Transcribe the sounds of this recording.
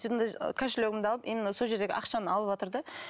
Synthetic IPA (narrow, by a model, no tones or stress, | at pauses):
it̪nd̪ɑkʲʰæʃɪløɡʲɪmd̪ɑlˠəpinɪnso̞lˠʒe̞ɾd̪eɡʲɪ̰ʔɑqʃɑnəɑlˠəpwot̪əɾd̪ə